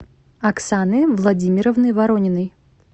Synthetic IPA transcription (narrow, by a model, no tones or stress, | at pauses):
ɐksanɨvlˠɐdʲimʲɪɾəvnɨjvɐɾonʲɪnɨj